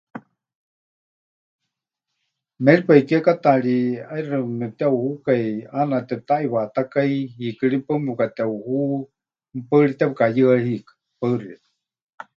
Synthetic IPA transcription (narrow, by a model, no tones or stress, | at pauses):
mɛɺipaikiakat̪aɺiairɨmɛt̪auhukajanat̪ɛt̪aʔiβat̪akaiɦiːkɨɺipəmɛkat̪auhu | pəɾit̪ɛpɨkajɨahikḁ | pəɨrit̪